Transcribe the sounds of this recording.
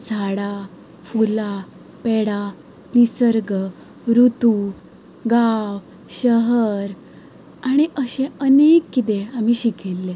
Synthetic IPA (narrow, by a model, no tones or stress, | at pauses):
d͡zʱaɽa | fula | peɽa | nisəɾɡə | ɾut̪u | ɡaw | ɕəɦəɾ | aɽ̃iʔəɕẽənekːit̪̬eam̤iːɕikʰelːe